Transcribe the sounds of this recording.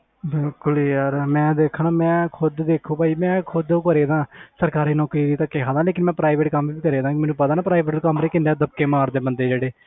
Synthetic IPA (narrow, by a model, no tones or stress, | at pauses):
bɪlkʊliːjaːɾmɛ̃ːd̪eːkʰəɳaːmɛ̃ːkʰʊd̪d̪eːkʰũːbaːiːmɛ̃ːkʰʊd̪õːkəɾeːd̪ãːsəɾkaːɾiːnɔːkɾiːɾiːt̪ãːkeɦʰãːd̪ãːleːkɪnmɛ̃ːpɾaːiʋeːʈkəmʋiːiːkəɾeːd̪ãːkɪmɛːnũːpət̪aːnaːpɾaːiʋeːʈːkəmɾeːkɪndaːd̪əbkeːmaːɾd̪eːbənd̪eːd͡ʒeːɽeː